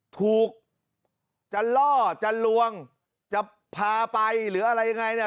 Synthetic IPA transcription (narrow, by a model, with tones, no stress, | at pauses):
t̪ʰuː˨˩k̚ | t͡ɕa˨˩lɔː˥˩t͡ɕa˨˩lu˧əŋ | t͡ɕa˨˩ | pʰaː˧pa˧jlɯː˩˦ʔa˧ɾa˧jːa˧ŋa˧jni˥˩ə˨